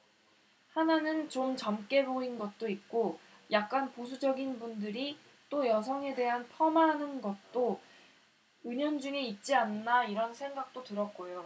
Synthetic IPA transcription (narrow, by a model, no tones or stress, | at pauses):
hananɯnt͡ɕomt͡ɕʌmk͈e̞boinɡʌt̚t͈oit̚k͈ojak̚k͈anpos̬ʰud͡ʑʌɡinbundɯɾi | t͈ojʌs̬ʰʌŋe̞de̞ɦanpʰʌmanɯnɡʌt̚t͈o | ɯɲʌnd͡ʑuŋeit̚t͡ɕ͈ianːaiɾʌnsʰe̞ŋɡak̚t͈otɯɾʌt̚k͈ojo